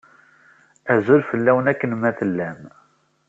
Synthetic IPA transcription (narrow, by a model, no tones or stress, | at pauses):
æzulfəlːæwənækːənmæθəlːæm